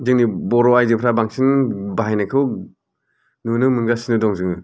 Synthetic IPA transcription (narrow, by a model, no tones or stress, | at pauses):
zɯŋnibɔɾɔajzɯpʰɾabaŋsinbaɦjnakʰɯw | nunɯmɯŋɡasinɯdɔŋzɯŋɯ